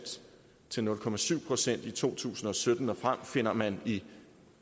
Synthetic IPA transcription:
d̥ | t͡sʰe̝lnɔ̽lkʰɒ̽mæsyʊ̰pʰʁo̝sen̰d̥it͡sʰo̝̰ːt͡sʰṵːsn̩ɒ̽sød̥n̩ɒ̽fʁam̰fe̝n̰ɐmæni

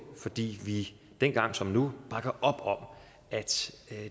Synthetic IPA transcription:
fɒ̽d̥ḭːʋi | d̥en̰ɡ̥ɑ̈ŋ̰sɒ̽mnub̥ʁɑ̈ɡ̥ɐʔɒ̽b̥ɒ̽m̰ | ʔæd̥

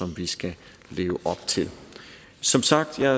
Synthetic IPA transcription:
ɒ̽mʋisɡ̥æ | le̝̰ːʊəʔɒ̽b̥̚t͡sʰe̝l | sɒ̽msɑ̈ɡ̥̚d̥jɑ̈

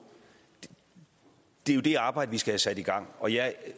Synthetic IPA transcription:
d̥e̝jo̝d̥e̝ɑ̈ːb̥ɑ̈ɪ̰d̥əʋisɡ̥æhæsæd̥iɡ̥ɑ̈ŋ̰ɒ̽jɑ

